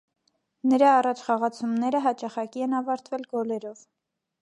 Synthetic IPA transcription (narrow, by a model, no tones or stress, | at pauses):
nəɾɑːrɑt͡ʃʰχɑʁɑt͡sʰumnɛɾəɦɑt͡ʃɑχɑkiɛnɑvɑɾt̪vɛlɡɔlɛɾɔv